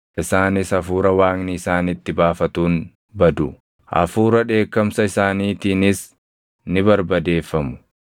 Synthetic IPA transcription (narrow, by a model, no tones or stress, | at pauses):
ʔɪsaːnɪsɐfuːɾɐwaːŋnɪːsaːnɪt̪ːɪbaːfɐt̪uːn | bɐd̪ʊ | ʔɐ̰fuːɾɐᶑe̞ːkːɐmsɐɪsaːniːt̪iːnɪs | nɪbɐɾbɐd̪e̞ːfːɐmʊ̥